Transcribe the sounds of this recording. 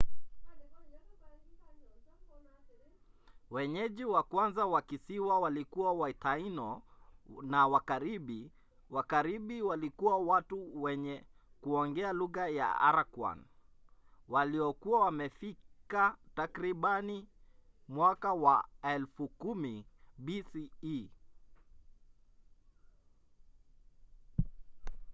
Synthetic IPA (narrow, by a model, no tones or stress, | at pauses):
wɛɲɛʄiwakwanzawakisiwawalikuawaitainɔ | nawakaɾiɓi | wakaɾiɓiwalikuwawatuwɛɲɛ | kuɔŋɡɛaluɣaja̰a̰ɾakwa̰n | waliɔkuawamɛfikatakɾiɓani | mwakawaɛlfukumibisii